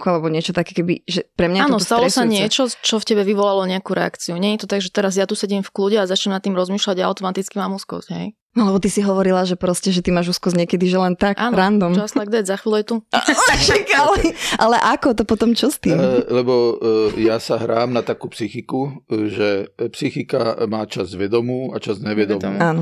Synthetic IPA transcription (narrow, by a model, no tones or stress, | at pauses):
kualɛbɔɲɪɛt͡ʃɔt̪akɛkɛbḭʒɛpɾɛmɲaaːnɔsɔst̪alɾɔɛsaɲɪɛt͡ʃɔt͡ʃɔfcɛbɛʋiʋɔlalɔɲɛakuɾɛ̰a̰kt͡siuɲɛɲit̪ɔt̪aɡʒɛt̪ɛɾazjat̪usɛɟimfkluɟɛazat͡ʃɲɛmnat̪ːimɾɔzmiːʃlaɟaja̰ʊt̪ɔmat̪it͡skimaːmuskɔ̰zɟɦɛ̰j | nɔlɛbɔt̪isiɦɔʋɔɾilaʒɛpɾɔscɛʒɛt̪imaːʒuːskɔzɲɛkɛd̪iʒɛlɛnt̪akʔaːnɾand̪ɔmt͡ʃɔast̪aɡ̚d̪azaxʋiːlujɛt̪uʃɛkalɛʔalɛʔakɔt̪ɔpɔt̪ɔmt͡ʃɔst̪iːmlɛbɔjasaɦɾaːmnat̪akuːpsixikuʒɛpsixika̰maːt͡ʃazʋɛd̪ɔmuːa̰t͡ʃazɲɛʋɛd̪ɔmuaːnɔ